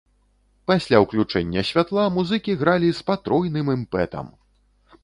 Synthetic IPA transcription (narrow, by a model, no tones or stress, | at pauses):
pasʲlʲawklʲut͡ʂɛnʲːɐsʲvʲat̪lˠamuzɨkʲiɣɾalʲispat̪ɾɔjnɨmɛmpɛt̪ɐ̰m